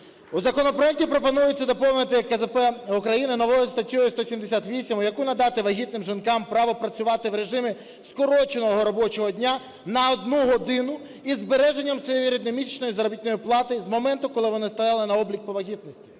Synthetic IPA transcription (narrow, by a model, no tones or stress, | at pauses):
uzɐkɔnɔpɾɔjɛk̚tʲipɾɔpɔnujʊt͡sʲːɐd̪ɔpɔwnɪt̪ɪjɐkɛzɛpɛukɾɐjinɪnɔʋɔjʊst̪ɐtʲːɔjʊst̪ɔsʲimd̪esʲat̪ʋʲisʲimʊjɐkunɐd̪ɑt̪ɪʋɐɦʲit̪nɪmʒinkɑmpɾɑʋɔpɾɐt͡sʲʊʋɑt̪ɪʋɾe̞ʒɪmɪ | skɔɾɔt͡ʃenɔɦɔɾɔbɔt͡ʃɔɦɔdʲnʲa | nɐɔd̪nuɦɔd̪ɪnʊ | izbeɾɛʒenʲːɐmsɔjejiɾʲid̪nɔmʲit͡ʃnɔjizɐɾɔbʲit̪ʲnɔjiplˠɑt̪ɪzmɔmɛnt̪ʊkɔlˠɪʋɔnɪst̪ɐjɑlˠɪnɐɔblʲik̚pɔʋɐɦʲit̪̚nɔsʲtʲi̥